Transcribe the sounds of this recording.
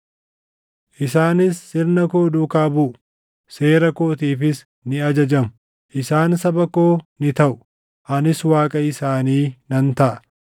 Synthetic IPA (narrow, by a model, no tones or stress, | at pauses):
ʔɪs̬aːnɪsːɪɾnɐkoːd̪uːkaːbʊʔʊ | se̞ːɾɐkoːt̪iːfɪs | nɪɐd͡ʒɐd͡ʒɐmʊ | ʔɪsaːnsɐbɐkoːnɪt̪ɐʔʊ̥ | ʔɐnɪswaːkʼɐɪsaːniːnɐnt̪ɐʔɐ